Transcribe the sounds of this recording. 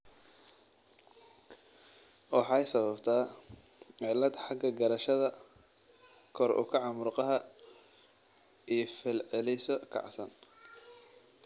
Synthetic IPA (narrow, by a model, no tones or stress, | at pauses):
wɑħɑjsɐβɐbt̪ʰaː | ʕɪlːɐd̪ħɑɡɐɡɐɾɐʃɐðɐ | kʰɔɾʊ̰kʰɑʕɑmʊrqɑɦɐ | ijfɛlʕɛlɛsɔkʰɑ̰ʕsɐn